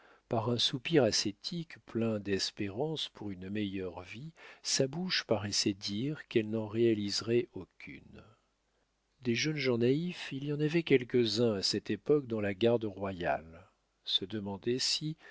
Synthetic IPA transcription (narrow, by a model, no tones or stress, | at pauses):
paʁɛ̃supiʁaset̪ʰikplɛ̃d̪ɛspeʁɑ̃spuʁynmɛjœʁvisabuʃpaʁɛsɛd̪iʁkɛlnɑ̃ʁealizʁɛʔokʲʰy̰n | d̪ɛʒənʒɑ̃naifilijɑ̃navɛkʲɛlkəzɛ̃asɛt̪epɔk̚d̪ɑ̃laɡaʁd̪əʁwaja̰l | səd̪əmɑ̃d̪ɛsi